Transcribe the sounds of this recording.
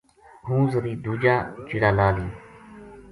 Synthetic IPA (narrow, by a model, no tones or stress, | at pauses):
ɦũːzəɾiːd̪uːd͡ʒaːt͡ʃiɽaːlaːliː